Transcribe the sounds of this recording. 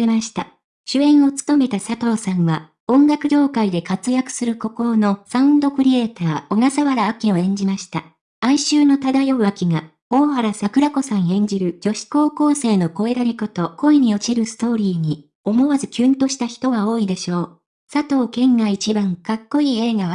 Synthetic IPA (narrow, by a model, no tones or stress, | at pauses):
emaɕi̥t̪a | ɕɨẽ̞ɰ̃o̞t͡sɨ̥t̪o̞me̞t̪asat̪o̞ːsãɰ̃βa | õ̞ŋɡakɯ̟ʑo̞ːkaid̪e̞kat͡sɨjakɯ̟̥sɨɾɯ̟ko̞ko̞ɾono̞saɯ̟̃nd̪okɯ̟ɾʲie̞ːt̪aːoɡ̪asaβaɾaːkʲio̞ẽ̞ɲ̟d͡ʑimaɕi̥t̪a | aiɕɨːno̞t̪ad̪ajo̞βakʲiŋa | o̞ːhaɾasakɯ̟ɾako̞sãɰ̃ẽ̞ɲ̟d͡ʑiɾɯ̟d͡ʑo̞ɕi̥ko̞ːko̞ːse̞ːno̞ko̞e̞ɾaɾʲikot̪o̞ko̞iɲ̟io̞t͡ɕiɾɯ̟sɨ̥t̪o̞ːɾʲiːɲ̟i | o̞mo̞βazɨkʲɨːnt̪o̞ɕi̥t̪açi̥t̪o̞ɡao̞ːid̪e̞ɕo̞ː | sat̪o̞ːkẽ̞ŋɡait͡ɕibãŋkakːo̞iːe̞ːɡaβa